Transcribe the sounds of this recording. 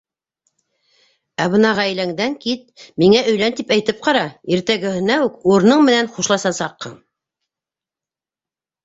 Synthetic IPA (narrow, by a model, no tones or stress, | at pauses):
æβɤnɑʁæj̆læŋd̪æŋkit̪̚miŋæʔɵ̆jlænt̪ipæjt̪ɘp̚qɑɾɑiɾt̪æɡɘ̆hɘ̆næʉkuɾnɤɴmɘ̆nænχuʃlˠɑsɑsɑqːɤɴ